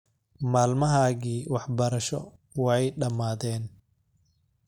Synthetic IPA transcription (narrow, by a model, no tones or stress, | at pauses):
maːlmɐɦaːɣiːwɑħbɐɾɐʃɔ̰ | wɑɛjɖɐmaːðɛːn